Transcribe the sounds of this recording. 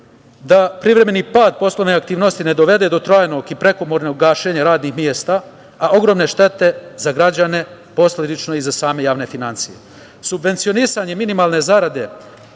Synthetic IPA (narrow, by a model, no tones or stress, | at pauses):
d̪apɾiʋɾe̞me̞niːpaːd̪̚po̞slˠoʋneakt̪iːʋno̞st̪ine̞d̪o̞ʋe̞d̪e̞d̪o̞t̪ɾaːjno̞ːɡipɾe̞ko̞moːɾneɡɡaːʃeːɲaɾaːd̪nixmjeːst̪aː | o̞ɡɾo̞mne̞ʃt̪e̞t̪e̞zaɡɾad͡ʑane̞ | po̞slʲed̪it͡ʃnoizasaːme̞jaːʋne̞finant̪sije̞̰ | subʋe̞nt̪sijonisaɲe̞minimaːlˠne̞zaɾad̪e̞